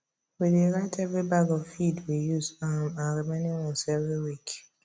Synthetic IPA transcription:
wideɹãtʰɛvɹibaɡɔvfidwijuzamãnɹimẽnĩɹɔ̃sɛvɹiwik

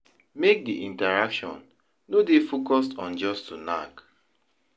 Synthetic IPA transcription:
mek̚diʔĩntaɹakʃɔ̰̃nː | odefokɔstɔ̃nd͡ʒɔstuna̰k

